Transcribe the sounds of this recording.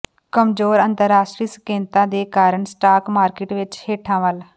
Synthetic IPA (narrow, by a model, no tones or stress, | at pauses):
kəmzoːɾənt̪əɾːaːʃʈɾiːsə̥kẽːnt̪ãːd̪eːkaːɾəɳsʈaːkmaːɾkɪːʈʋɪt͡ʃheːʈʰãːʋəl